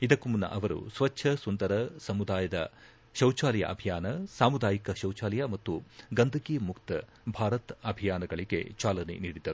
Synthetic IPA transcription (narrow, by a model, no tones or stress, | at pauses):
id̪ɐkːumunːɐ̰ʔɐʋɐɾṵsʋɐt͡ʃːʃʰɐsund̪ɐɾɐsɐmud̪aːjɐd̪ɐ̰ | ʃɐwt͡ʃaːlɛjɐ̰ʔɐbʱijaːnɐsaːmud̪aːjikɐʃɐwt͡ʃaːlɛjɐmɐt̪ːuɡɐnd̪ʱɐkiːmukt̪ɐ | bʱaːɾɐt̪ɐbʱijaːnɐɡɐɭiɡe̞̰t͡ʃaːlɐnḛniːɽid̪ːɐɾu